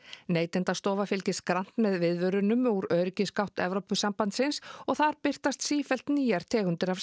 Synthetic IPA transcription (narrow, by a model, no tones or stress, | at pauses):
neːjt̪ɛnt̪ast̪ɔːvafɪlcɪskɾan̥t̪mɛðvɪðvʏɾʏnʏmuɾœːɾɪcɪskaw̥t̪ɛ̰vɾowpʏsampant̪sɪnsɔɣθaɾpɪr̥t̪ast̪siːfɛl̥t̪niːjaɾ̥t̪ʰɛːɣʏnt̪ɪɾa